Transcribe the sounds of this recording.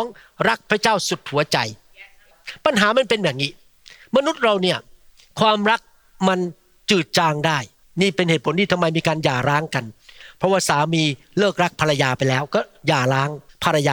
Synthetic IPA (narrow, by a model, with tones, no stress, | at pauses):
ɔː˦˥ŋ | ɾa˦˥k̚pʰɾa˧˥t͡ɕaː˥˩wsu˨˩t̪̚hu˩˦ɐt͡ɕa̰˧j | pa˧nɦaː˩˦ma˧npe˧nbɛː˨˩ŋniː˦˥ | ma˧nu˦˥t̪̚ɾa˧wni˥˩ɐ | kʰwaː˧mɾa˦˥k̚ | ma˧n | t͡ɕɯː˨˩t̪̚t͡ɕaː˧ŋdaː˥˩j | niː˥˩pe˧nheː˨˩t̪̚pʰo˩˦nt̪iː˥˩t̪a˧mːa˧jmiː˧kaː˧njaː˨˩ɾaː˦˥ŋka˧npʰɾɔ˦˥waː˥˩saː˩˦miː˧ | lɤː˥˩k̚ɾa˦˥k̚pʰa˧ɾa˧jaː˧pa˧jlɛː˦˥wkɔː˥˩jaː˨˩ɾaː˦˥ŋpʰa˧ɾa˧jaː˧